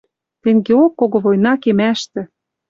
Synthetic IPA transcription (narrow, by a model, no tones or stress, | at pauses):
t̪ĕŋɡeokːoɣoβojnɑkemæʃt̪ɘ̆